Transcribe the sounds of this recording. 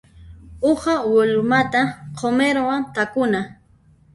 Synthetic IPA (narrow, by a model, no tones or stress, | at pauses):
ʊχawɪlʊmat̪aqʰomeɾwant̪akʊna